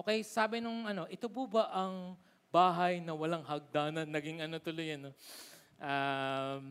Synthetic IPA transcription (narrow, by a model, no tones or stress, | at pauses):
ʔʔoːkɛjsaːbɪnʊŋʔɐno̞ʔɪt̪obʊbɐʔɐŋ | baːɦɐjnɐwɐlɐŋɦɐɡ̚d̪aːnɐnːɐɡiŋɐno̞t̪ʊlʊjɐnːo | ʔam